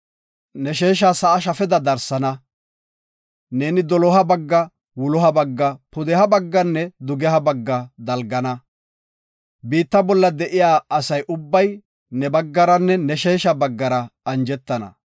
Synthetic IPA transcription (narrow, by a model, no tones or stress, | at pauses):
nɛʃeːʃ̬asɐʔːʃ̬ɐfɛd̪ɐd̪ɐɾsɐnɐ | ne̞ːnɪd̪ɔlɔɦɐbɐɡːɐ | wʊlɔhɐbɐɡːɐpʊd̪ɛhɐbɐɡːɐnːɛd̪ʊɡɛhɐbɐɡːɐd̪ɐlɡɐnɐ | biːt̪ːɐbɔlːɐd̪ɛʔɪjaːɐsɐjʔʊbːɐj | nɛbɐɡːɐɾɐnːɛnɛʃeːʃɐbɐɡːɐɾɐɐnd͡ʒɛt̪ːɐnɐ̰